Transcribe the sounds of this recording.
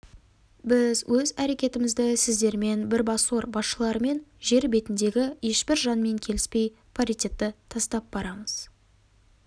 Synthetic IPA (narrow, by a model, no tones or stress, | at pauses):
bɪzwɵzæɾe̞kʲe̞t̪ɪmɪzd̪ɪsɪzd̪e̞ɾme̞nbɪɾbɑso̞ɾbɑsʃəlˠɑɾəme̞nʒe̞ɾbe̞t̪ɪnd̪e̞ɡʲɪje̞ʃbɪɾʒɑnme̞ŋkʲʰe̞lɪspe̞j | pʰaɾit̪ʲet̪ːɪt̪ʰɑst̪ɑp̚bɑɾɑməz̥